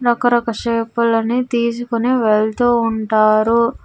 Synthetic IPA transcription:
ɾɐkɐɾɐkɐʂeːpulɐnit̪iːs̬ukuneʋeɭt̪uːɳʈaːɾu

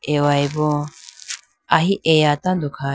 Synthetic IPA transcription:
ʔewajbo | aɦiʔejat̪and̪ukʰa

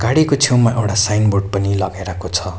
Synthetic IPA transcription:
ɡ̥aɽikot͡sʰewmaʔewʈasajnborɖ̚pʌnilʌɡajɾʌkot͡sʰʌ

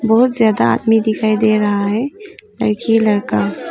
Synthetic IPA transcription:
bɔɦʊt̪zjaːd̪aa̰ːd̪mid̪ɪkʰaːid̪eɾɐɦaɦɛlɐ̰ɾkilɐɾka

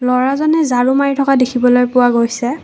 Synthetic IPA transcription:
lɔɹazɔnɛzaɹumaɹitʰɔkadekʰibɔlojpʊwaɡojsɛ

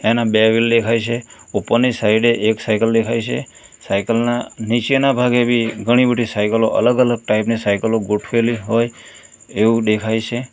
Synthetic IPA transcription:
enabeʋild̪ekʰajt͡ʃʰe | upənisaɪɖeʔeksajkəld̪ekʰajt͡ʃʰḛ | sajkəlnanit͡ʃenabʱaɡebʱiɡʱəɽ̃ibəɖʱisajkəloʔə̰ləɡələɡ̚ʈaipnisajkəloɡoʈʰʋeliɦoj | eʋũd̪ekʰajt͡ʃʰe

